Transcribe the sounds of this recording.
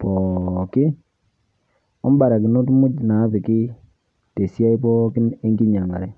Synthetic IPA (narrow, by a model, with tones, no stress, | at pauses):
pɔ˨kɪ˦ | ɔ˦m˦ba˨ɾa˨kɪ˨no˦tmu˦dna˨˦pɪ˨kɪ˦ | te˨sja˦i˦pɔ˦kɪ˦e˦ŋɡi˦ɲa˨ŋa̰˨ɾɛ˨